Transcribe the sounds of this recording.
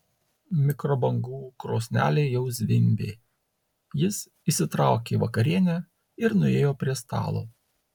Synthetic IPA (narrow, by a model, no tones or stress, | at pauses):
mʲɪkɾɔbɐŋɡuːkɾoːsʲnʲæːlʲɛɪjɛʊzʲʋʲɪmʲbʲeː | jɪs | isʲɪt̪ɾɑˑʊkʲeːʋɐkɐɾʲiɛnʲæ | ɪɾnʊeːjoːpʲɾʲiɛst̪ɑ̰ːlˠo̰ː